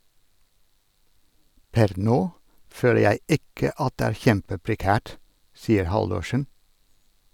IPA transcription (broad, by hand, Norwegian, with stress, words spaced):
ˈpɛɾ ˈnoː ˈføːlə ˈjæɪ ˈɪkə ˈɑt ˈdeː ˈæːɾ ˈçɛmpəpɾɛˌkæːʈ ˈsiːəɾ ˈhɑldʊʃən